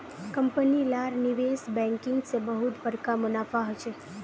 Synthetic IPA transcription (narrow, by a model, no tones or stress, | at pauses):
kəmpənilaɾniʋesbɛ̃ŋkɪŋɡsebəɦut̪bəɾkamənafaɦət͡ʃʰe